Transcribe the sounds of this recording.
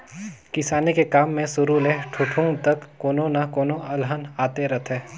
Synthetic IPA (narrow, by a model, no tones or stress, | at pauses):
kɪsaːnekekaːmːẽsʊɾuleʈʰʊʈʰʊ̃ŋɡt̪ɐkːoːnõnɐkoːnoɐlɦənaːt̪eɾɐt̪ʰeː